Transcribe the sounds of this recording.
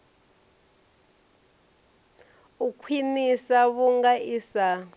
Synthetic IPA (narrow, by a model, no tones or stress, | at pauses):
ukʰwinisaβuŋɡaisa